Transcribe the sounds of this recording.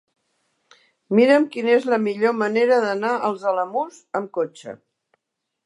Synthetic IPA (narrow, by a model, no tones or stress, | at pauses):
miɾəmkinəezləmiʎoməneɾəðənaʔəlˠzələmuzəmkot͡ʃə̰